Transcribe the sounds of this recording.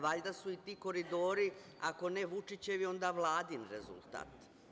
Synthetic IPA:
ʋaʎd̪asuit̪iːko̞ɾid̪o̞ːɾi | ako̞neʋut͡ʂit͡ɕe̞ʋio̞nd̪aʋlˠaːd̪inɾḛzṵlˠt̪a̰ːt̪

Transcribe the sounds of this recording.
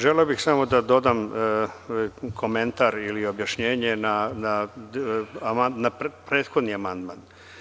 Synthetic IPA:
ʒeleobixsamo̞d̪ad̪o̞d̪am | kʰo̞ment̪aɾilio̞bjaʃɲe̞ːɲenana | manappɾe̞ːd̪xo̞d̪niamand̪man

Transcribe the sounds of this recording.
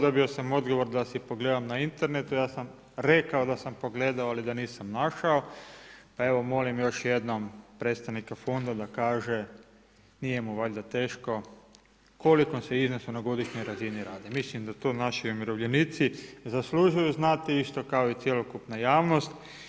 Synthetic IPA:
d̪obiosamo̞d̪ɡo̞ʋo̞ɾd̪asipo̞ɡle̞ːd̪amnaint̪e̞ɾnet̪ujaːsam | ɾe̞kaod̪asampo̞ɡle̞ːd̪aoalid̪aniːsamnaʃaopae̞ʋo̞mo̞limjo̞ʃjed̪nompɾet̪st̪aʋnikafo̞nd̪ad̪akaːʒe | nije̞muʋaʎʲd̪at̪eːʃko̞ | ko̞likoseiznosunaɡo̞d̪iʃɲo̞jɾaziniɾaːd̪emislimd̪at̪oːnaʃiumiɾoʋʎeniːt̪sizasluʒujuznat̪iist̪o̞kaoit̪sjelokupnajaːʋno̞st̪

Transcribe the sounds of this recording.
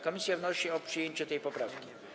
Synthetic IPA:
kɔmʲisʲjavnɔɕiɔpʂɨjeɲt͡ɕɛt̪ɛjpɔpɾafkʲi

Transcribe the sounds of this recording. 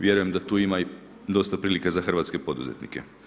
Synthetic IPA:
ʋje̞ɾuje̞md̪at̪uːimai | d̪o̞st̪apɾiːlikazaxr̩ʋaːt̪ske̞po̞d̪ṵzet̪nḭke

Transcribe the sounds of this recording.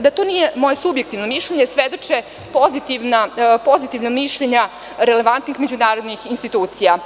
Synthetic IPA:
d̪at̪o̞nije̞mo̞je̞subjek̚t̪iʋno̞miʃʎeɲe̞sʋe̞d̪o̞t͡ʃe | po̞zit̪iʋnapo̞zit̪iʋnomiʃʎeɲa | ɾe̞le̞ʋant̪nixme̞d͡ʑunaːɾod̪nixinst̪it̪uːt̪sija

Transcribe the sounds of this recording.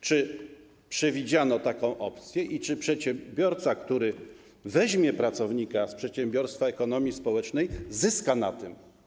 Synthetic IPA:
t͡ʂɘ | pʂɛvʲid͡ʑanɔt̪akɔ̃w̃ʔɔpt̪sʲjɛʔit͡ʂɘpʂɛt̪ɕɛbʲjɔɾt̪sakt̪uɾɘ | vɛʑmʲjɛpɾat̪sɔvɲikaspʂɛt̪ɕɛmbʲjɔɾst̪faɛkɔnɔmʲjispɔwɛt͡ʂnɛjzɘskanat̪ɘm

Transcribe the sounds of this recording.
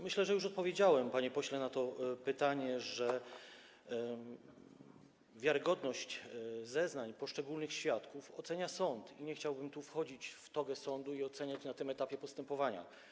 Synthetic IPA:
mɘɕlɛʐɛjuʂɔt̪̚pɔvʲjed͡ʑawɛmpaɲɛpɔɕlɛnat̪ɔpɘt̪aɲɛʐɛ | vʲjaɾɘɡɔd̪nɔɕt͡ɕzɛznaɲpɔʂt͡ʂɛɡulnɘxɕfʲjat̪kufɔt̪sɛɲasɔnt̪iɲɛxt͡ɕawbɘmt̪ufxɔd͡ʑit͡ɕft̪ɔɡɛsɔnd̪uiɔt̪sɛɲat͡ɕnat̪ɘmɛt̪apʲjɛpɔst̪ɛmpɔvaɲa̰

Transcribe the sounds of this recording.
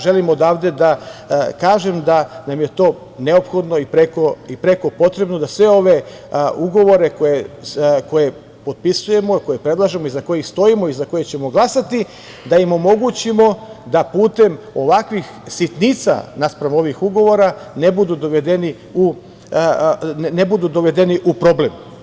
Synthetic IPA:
ʒe̞limod̪aːʋd̪e̞d̪akaːʒe̞md̪anamje̞t̪o̞ː | ne̞opxo̞d̪no̞ipɾekoipɾe̞ko̞po̞t̪ɾe̞bno̞d̪asʋe̞o̞ʋe̞ | uɡo̞ʋo̞ɾe̞kojeko̞je̞ | po̞d̪̚pisuje̞mo̞ko̞jepɾe̞d̪lˠaʒemo̞izako̞jixst̪o̞imo̞izako̞jet͡ɕe̞mo̞ɡlˠasat̪i | d̪aimo̞mo̞ɡut͡ɕimo̞d̪apuːt̪e̞m | o̞ʋakʋixsit̪nit̪sa̰naspɾamo̞ʋixuɡo̞ʋo̞ɾanebud̪ud̪oʋed̪eni | u | nebud̪ud̪oʋe̞d̪eniʔupɾo̞blem

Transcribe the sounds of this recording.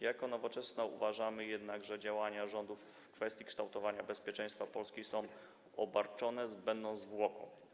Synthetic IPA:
jakɔnɔvɔt͡ʂɛsnaṵvaʐamɘjɛd̪naɡʐɛd͡ʑawaɲaʐɔnd̪uf | kfɛst̪ʲjikʂt̪awt̪ɔvaɲabɛspʲjɛt͡ʂɛ̃j̃st̪fapɔlskʲisɔ̃w̃ | ɔbaɾt͡ʂɔnɛzbɛnd̪ɔ̃zvwɔkɔ̰̃w

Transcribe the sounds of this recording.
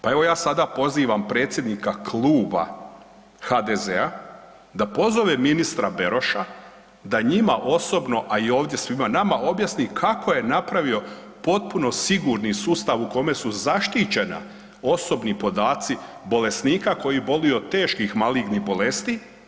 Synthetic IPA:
pae̞ʋo̞jaːsad̪apo̞ziːʋampɾe̞ːt̪sʲje̞d̪nikaklˠuːba̰ | xad̪eze̞a | d̪apo̞zo̞ʋeminist̪ɾabeɾo̞ʃa | d̪aɲimaʔo̞so̞bno̞ʔaio̞ːʋd̪je̞sʋimanamaʔo̞bjasnikʰakʰoje̞napɾaʋio̞ | po̞t̪̚puno̞siɡuɾnisuːst̪aʋuko̞me̞suzaʃt̪it͡ɕe̞na̰ | o̞so̞bnipo̞d̪aːt̪si | bo̞le̞sniːkako̞jibo̞lio̞t̪e̞ːʃkixmaliɡnibo̞le̞st̪i

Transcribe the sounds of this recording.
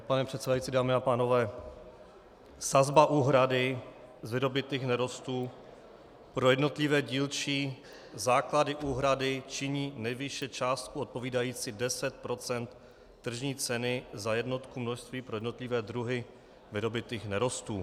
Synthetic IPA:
panɛpr̥ɛt̪sɛdajit͡siːdaːmɪapaːno̞vɛː | sazbaʔuːɦɾadɪ | zvɪɾo̞bɪt̪iːxnɛɾo̞st̪uː | pɾo̞jɛdno̞t̪lɪvɛːɟiːlt͡ʃi | zaːkladɪʔuːɦɾadɪt͡ʃɪɲiːnɛjvɪʃɛt͡ʃaːst̪̚kuot̪̚po̞viːdajiːt͡sɪdɛsɛt̪̚pɾo̞t͡sɛnt̪ː | r̩ʒɲiːt͡sɛnɪzajɛdno̞t̪kumnoʃst̪viːpɾo̞jɛdno̞t̪lɪvɛːdɾuɦɪ | vɪɾo̞bɪt̪iːxnɛɾo̞st̪uː

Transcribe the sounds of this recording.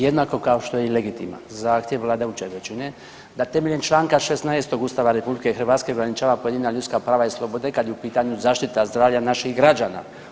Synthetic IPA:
jed̪nako̞kao̞ʃt̪o̞jeileɡit̪ḭma̰zaːxt̪jeʋːlˠaːd̪eut͡ʃeʋet͡ʃine | d̪at̪e̞meʎent͡ʃlˠaːŋkaʃesnaest̪o̞ɡust̪aːʋaɾe̞publikexr̩ʋaːt̪ske̞oɡɾanit͡ʃaːʋapoje̞d̪inaʎut̪skapɾaːʋaislˠo̞bo̞d̪e̞kad̪jeupiːt̪aɲuzaːʃt̪it̪azd̪ɾaːʋʎanaʃixɡɾad͡ʒaːna̰

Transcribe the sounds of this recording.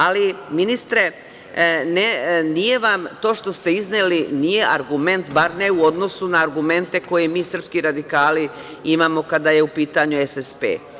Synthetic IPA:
aliminist̪ɾe̞ | nenije̞ʋamt̪o̞ːʃt̪o̞st̪e̞iznelinije̞ʔaɾɡume̞nt̪baɾne̞uo̞d̪no̞sunaːɾɡume̞nt̪e̞ko̞jemiːsr̩pskiɾad̪ikaːli | imaːmo̞kad̪aje̞upiːt̪aɲuesespḛː

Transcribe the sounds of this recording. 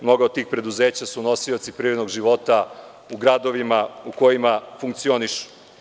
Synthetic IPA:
mno̞ɡaot̪̚t̪ːiːxpɾe̞d̪uzeːt͡ɕasuno̞siot̪sipɾiːnoɡʒiʋo̞t̪a | uɡɾad̪oʋimauko̞jimafuŋk̚t̪sio̞niʃu̥

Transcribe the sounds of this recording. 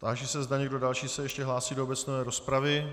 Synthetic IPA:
t̪aːʒɛsɛzdaɲɛɡdo̞dalʃiːsɛjɛʃcɛɦlaːsiːdoobɛt͡snovɛːɾo̞spɾavɪ

